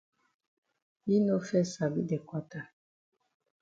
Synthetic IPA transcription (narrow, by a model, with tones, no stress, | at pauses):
i˦no˦fɛ˦sa˨bḭ˦dɛ˨kwa˦ta˦